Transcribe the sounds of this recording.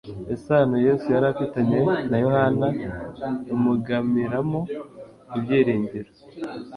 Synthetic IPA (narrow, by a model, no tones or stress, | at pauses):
esanoje̞ːsujaɾafitaɲe̞najo̞hana | umuɡamiɾamo | ibjeːɾiːɲɟeɾo